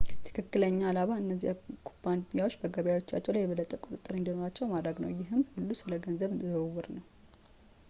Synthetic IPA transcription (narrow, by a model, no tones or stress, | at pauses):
t̪ʰɨ̥kʰɨkːɨləɲːalaβaɨnːəzːiakʰu̥band̪mijawot͡ʃːbəɡəβjawo̞t͡ʃːat͡ʃːɛwlajːɛβəlːət̪ʼːəkʼʊt̪ʼɨt̪ʼːɨɾɨnd̪ino̞ɾat͡ʃːɛwmad̪ɾəɡnəwjɪɦɨmhulːusɨləɡənzəβzwːʊɾnəw